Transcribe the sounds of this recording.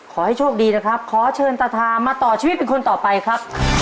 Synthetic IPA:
kʰɔː˩˦ha˥˩jt͡ɕʰu˥˩k̚diː˧na˦˥kʰɾa˦˥p̚kʰɔː˩˦t͡ɕʰɤː˧nt̪a˧t̪ʰaː˧maː˧t̪ɔː˨˩t͡ɕʰiː˧wt̪̚pe˧nkʰo˧nt̪ɔː˨˩pa˧jkʰɾa˦˥p̚

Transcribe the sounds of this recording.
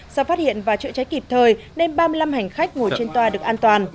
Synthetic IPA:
sa˧˩wfaː˦˥t̚hḭ˧˨ənvaː˨˩t͡ɕɨ̰˧˥t͡ɕa˨˦jki˨˩p̚t̪ʰəː˨˩j | ne˧nɓaː˧mɨ˧əjla˧mɦa˨˩jŋ̟xa˦˥k̟̚ŋo˨˩t͡ɕe˧nt̪waː˧ɗɨ˨˩ək̚ʔaː˧nt̪waː˨˩n

